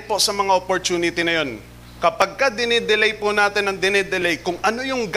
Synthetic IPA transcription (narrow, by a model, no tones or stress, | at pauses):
posɐmɐŋaʔopoɹt̪uːnɪt̪ɪnɐjo̞n | kɐpɐɡ̚kɐd̪ɪnɪd̪ɛlɛjpʊnaːt̪ɪnɐŋd̪ɪnɛd̪ɛlɛjkʊŋɐno̞jʊŋɡ